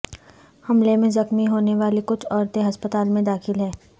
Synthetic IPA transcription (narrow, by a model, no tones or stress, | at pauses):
hɐmlemẽzɐxmiɦoːneʋaːlekʊt͡ʃʰɔːɾt̪ẽɦɐspət̪aːlmẽd̪aːxɪlɦɛː